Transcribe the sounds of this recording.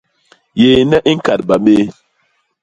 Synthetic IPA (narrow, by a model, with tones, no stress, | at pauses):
jeː˨nɛ˦ʔi˦ŋ˦ka˨t̚ba˨ɓe˦